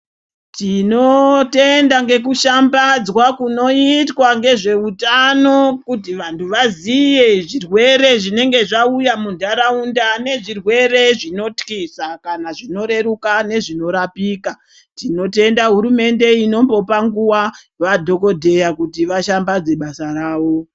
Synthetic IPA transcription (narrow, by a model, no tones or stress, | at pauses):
tino̞te̞ndaŋɡe̞k̬uʃambad͡zwakuno̞itwaŋɡe̞ʐe̞utano̞kutiʋantʰuʋazijeʐirwe̞ɾe̞ʐine̞ŋɡe̞ʐaujamundaɾaundane̞ʐirwe̞re̞ʐino̞tkisakanaʐino̞ɾe̞ɾukane̞ʐino̞ɾapiːka | tino̞te̞ndaɦuɾume̞nde̞ino̞mbo̞paŋɡuwa | ʋadʱo̞ko̞dʱe̞jakutiʋaʃambad͡ze̞ɓasaraːʋo̞